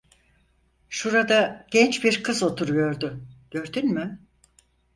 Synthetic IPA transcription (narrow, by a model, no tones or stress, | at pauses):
ʃuɾad̪aɟ̥ɛnt͡ʃbiɾkʰɯzo̞t̪ʰuɾujo̞ɾd̪ʊɟ̥ø̞ɾd̪ynmy